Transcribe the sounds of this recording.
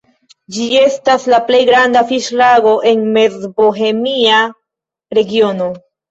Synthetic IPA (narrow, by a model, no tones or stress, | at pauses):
d͡ʒie̞staslaple̞jɡɾandafiʃlaɡo̞ʔe̞nme̞zboɦe̞mia | ɾe̞ɡio̞no̞